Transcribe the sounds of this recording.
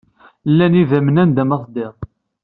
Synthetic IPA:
lːænivæmənænd̪æmɑθˤd̪ɪʁ

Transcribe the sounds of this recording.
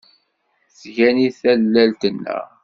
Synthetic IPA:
θʝæniθælːælt̪ənːə̰ʁ

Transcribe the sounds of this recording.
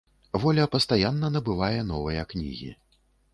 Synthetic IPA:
vɔlʲɐpɐst̪ajanːɐnɐbɨvajɛnɔvɐjɐknʲḭɣʲḭ

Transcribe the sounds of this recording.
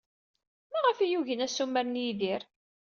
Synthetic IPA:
mæʁəfijuʝənæsːumːæɾnjiðiɾ

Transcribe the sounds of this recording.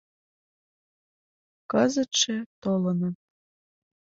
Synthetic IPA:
kəzə̆t̪ʃĕt̪olɤ̆nɤ̆

